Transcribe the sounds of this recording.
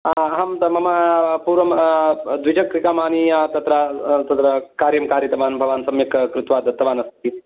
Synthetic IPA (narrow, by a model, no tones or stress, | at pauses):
aɦɐmt̪ɐmɐmaːpuːɾʋɐmd̪ʋid͡ʒɐkːɾikaːmaːniat̪ɐt̪ɾat̪ɐt̪ɾɐkaːɾjɐmkaːɾjit̪ɐmaːnbʱɐʋaːnsɐmjɐkkɾut̪ʋaːd̪ʱɐt̪ːɐʋaːnɐst̪t̪i